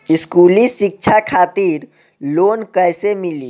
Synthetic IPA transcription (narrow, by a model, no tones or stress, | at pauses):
ɪskuːlĩsik̚t͡ʃʰakʰaːt̪iːɾ | loːnkəjsemiliː